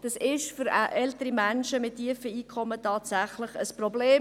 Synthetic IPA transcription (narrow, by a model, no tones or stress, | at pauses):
d̥ɑsɪʃfʏɾʔɛltəɾimænʃəmɪtʰːiəfəiːkʰɔmːətɑːtsæχləχəsprɔbleː